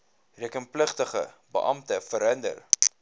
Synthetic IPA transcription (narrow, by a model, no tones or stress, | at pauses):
riəkənpləχtəχə̰ | bə̰ʔɐmtəfəɾɦəndə̰r